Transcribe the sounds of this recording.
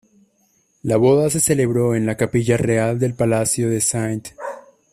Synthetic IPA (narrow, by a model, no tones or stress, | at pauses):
laβo̞ðas̬e̞se̞le̞βɾo̞e̞nlakapiʝare̞ald̪e̞lpalasjo̞ðe̞sajnt̪